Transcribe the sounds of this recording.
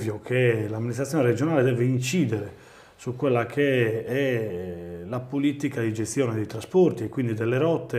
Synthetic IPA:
vjokʰelamːinist̪ɾat̪ːjɔːnɛɾɛd͡ʒɔnaːled̪ɛːveint͡ʃiːd̪ɛɾɛ | sukːwelːakʰeɛ | lapolit̪ikad̪id͡ʒest̪jɔːnɛd̪ejt̪ɾasport̪iɛkwind̪id̪ɛlːɛɾɔt̪ːe

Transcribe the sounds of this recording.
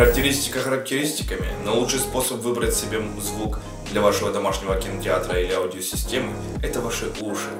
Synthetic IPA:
ɾək̚tʲɪɾʲisʲtʲɪ̥kəxəɾək̚tʲɪɾʲisʲtʲɪ̥kəmʲɪ̰nɐlˠutʂɨjspo̞səpvɨbɾətʲsʲɪbʲe | zvuk | d̪lʲɐvaʂɨvəd̪ɐmaʂnʲɪvəkʲɪnətʲɪa̰t̪ɾəilʲɪɐʊdʲɪəsʲɪsʲtʲemɨ | ɛt̪əvaʂɨuʂɨ̥

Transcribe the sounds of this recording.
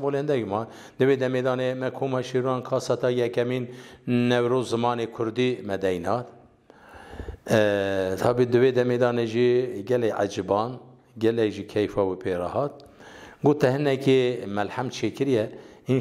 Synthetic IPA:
mboːlehɨnd̪ɛɡmɑ | d̪ɨwed̪ɛmed̪ɑːnemɛkʰoːmɑʃiɾuɑnkʰɑːsɑt̪ɑjɛkɛminːɛwɾoːzɨmɑːnekʰʊɾd̪imɛd̪ɛjnɑːt̪ | t̪ʰɑːbid̪ɨved̪ɛmed̪ɑːneʒiɡɛlɛʔa̰d͡ʒɨbɑːn | ɡɛlɛkʒikʰɛjfɑwəpʰeːɾɑ̰hɑːt̪̚ | ɡoːt̪ːɛhɨnɛkemɛlhæmt͡ʃʰeːkɨɾjɛin

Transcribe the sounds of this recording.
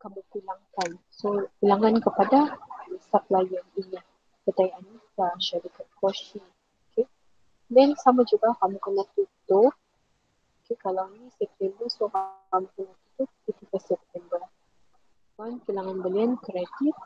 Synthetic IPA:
kamupilaŋkan | sopilaŋankəpadasap̚lajanini | pət̪ajaanikaʃaɾikat̪̚kɔʃiŋ | oke | dansamad͡ʒuɡakamukənat̪ut̪ʊp̚ | okekalawnisɛp̚t̪ɛnəsokaamukənat̪ut̪ʊp̚it̪upəsɛp̚t̪ɛmbə | kankilaŋanbəliankɾat̪it̪̚

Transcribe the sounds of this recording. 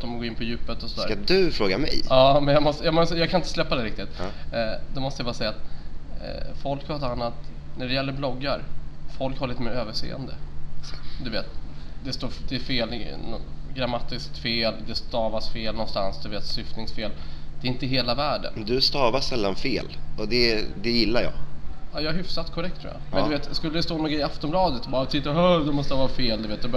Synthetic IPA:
ɔmɡoːɾɪnpʰɔjʉ̟ːpət̪ɔsɔd̪æːɾad̪ɵfɾoːɡamɛ̰jɑːmɛnjɑmɔst̪əjɑmɔst̪əjɑɡkʰanɪnt̪əslɛpːad̪ɛɾɪk̚t̪ɪt̪ | d̪ɔmɔst̪əjavɑːɾsɛjːat̪ | fɔlkhaɾɔt̪anːat̪ | næɖɛjɛlːəɾblɔɡːaɾfɔlkhaɾɭit̪əmeːɾøːvəʂḛːə̰nd̪ə̰ | d̪ɵveːt̪d̪ɛst̪oːɾd̪ɛːfeːlnɡɾamat̪ːɪskt̪feːld̪ɛst̪ɑːvasfeːlnɔnst̪a̰nsd̪ɵveːt̪sʏft̪nɪŋsfeːld̪ɛɾɪnt̪əɦeːlavæːɖə̰nd̪ɵst̪ɑːvasɛlːanfeːlɔd̪ɛd̪ɛjɪlːaɾjɑ̰ːɑjɑːaɦʏfsat̪kʰɔɾɛk̚t̪ʰːɾuːja̰mɛnd̪ɵveːt̪skɵlːəd̪ɛst̪oːnuːɡɾɛɪaft̪ɔmblɑːd̪ət̪bɑːɾt̪ʰɪt̪ːaœd̪ɛmɔst̪əvɑːɾfeːld̪ɵveːt̪̚d̪ɛb

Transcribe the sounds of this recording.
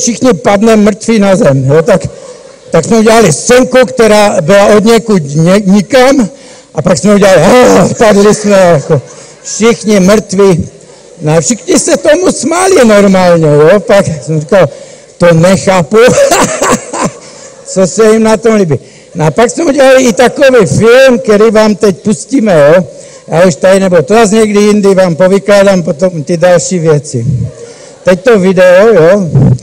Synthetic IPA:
fʃɪxɲɪpad̪nɛmɾ̩t̪ʋiːnazɛmjot̪ak | t̪aksmɛuɟɛlalɪsɛŋkukt̪ɛɾaːbɪlaʔod̪ɲɛkutɲɛɲɪkam | ʔapaksmɛuɟɛlaliapadlɪsmɛjako | fʃɪxɲɪmɾ̩t̪ʋi | noafʃɪxɲɪsɛt̪omusmalinoɾmaːlɲɛjopaksɛmrikal | t̪ɔɲɛxaːpu | t͡sɔsɛimnat̪ɔmlibi | nɔapaksmɛuɟɛaliːt̪akɔʋiːfilmkɛɾiʋaːmt̪ɛcpusciːmɛjɔ | auʃt̪ajnɛbɔt̪ɔɾazɲɛɡd̪iind̪iʋaːmpɔʋiklad̪ampɔt̪ɔmt̪idalʃiʋjɛt͡sḭ | t̪ɛct̪ɔʋid̪ɛɔjɔ

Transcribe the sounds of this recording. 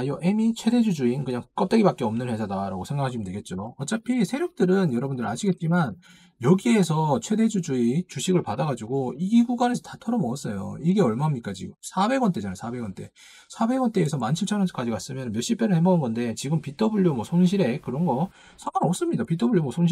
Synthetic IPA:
ajoʔe̞mit͡ɕʰwe̞de̞d͡ʑud͡ʑuinkɯɲaŋk͈ʌt͈eɡibak͈e̞ʌmnɯnhe̞sʰadaɾa̰ɡosʰe̞ŋɡakʰaɕʰimɯndweɡe̞t̚t͡ɕ͈oʌt͡ɕ͈apʰisʰe̞ɾjok̚t͈ɯɾɯnjʌɾʌbundɯɾa̰ɕʰiɡe̞t̚t͡ɕ͈iman | jʌɡie̞sʰʌt͡ɕʰwe̞de̞d͡ʑud͡ʑuit͡ɕuɕʰiɡɯɭpadaɡad͡ʑuɡoiɡiɡuɡanesʰʌtatʰʌɾʌmʌʌs͈ʌjo̰iɡe̞ʌɭmaɦamɲik͈at͡ɕḭɡɯsʰabe̞ɡwʌnt͈e̞d͡ʑanasʰabe̞ɡwʌnt͈e̞̰ | sʰabe̞ɡwʌnt͈e̞ːsʰʌmant͡ɕʰɯmt͡ɕʰaɾʌnʰk͈ad͡ʑiɡas͈ɯmjʌnɯnmjʌɕ͈ip͈eɾɯɭhembaɡunɡʌnde̞t͡ɕiɡɯmpitʰʌbuʎjomwʌsʰoŋɕʰiɾe̞kɯɾʌnɡʌ | sʰaŋanʌp̚s͈ɯmɲidapitʰʌbuɭjomwʌsʰoŋɕʰ

